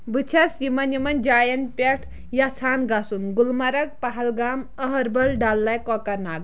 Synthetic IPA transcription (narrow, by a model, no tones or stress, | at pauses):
bɨt͡ʃʰɐsimɐnjimɐnd͡ʒaːjɐnpʲeʈʰ | jat͡sʰaːnɡasunɡulmɐɾɐk̚paɦɐlɡaːməɦɐɾbɐlɖalːajkɔkɐɾnaːɡ